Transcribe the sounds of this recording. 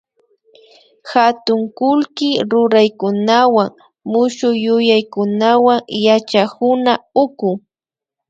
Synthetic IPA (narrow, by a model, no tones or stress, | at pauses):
hat̪ʊŋkʊlkɪɾʊɾajkʊnawaŋ | mʊʃʊjʊjajkʊnawaŋjat͡ʃakʊnaʊkʊŋ